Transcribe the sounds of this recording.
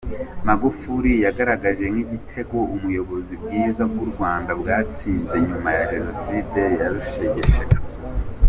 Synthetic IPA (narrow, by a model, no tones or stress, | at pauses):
maɡufuɾijaɡaɾaɡaʒe̞ŋŋiɟitʰe̞ɡo̞umujo̞βo̞zib̚ɡiːzaɡuɾɡwaːndabɡaːt͡siːnze̞ɲumajaʒeɾoside̞jaɾuʃeɟeʃek